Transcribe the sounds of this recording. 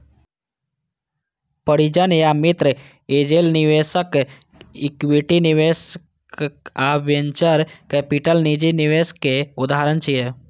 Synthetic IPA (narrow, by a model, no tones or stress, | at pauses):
pəɽid͡ʒənjamit̪ɾə | ed͡ʒelniʋesək | ikwiʈiniʋes | abjənt͡ʃəɾkɛpiʈəlnid͡ʒiniʋeskeʊd̪aɦaɾənt͡ʃʰije